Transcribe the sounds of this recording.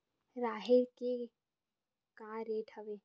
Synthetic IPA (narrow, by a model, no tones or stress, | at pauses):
ɾaːɦeke | kaːɾeːʈʰəʋeː